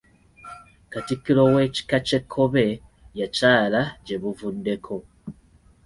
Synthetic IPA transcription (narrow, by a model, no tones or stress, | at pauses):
katikiɾoweci̥kat͡ʃekʰoβe | jacaːlaɟeβuvundekʰo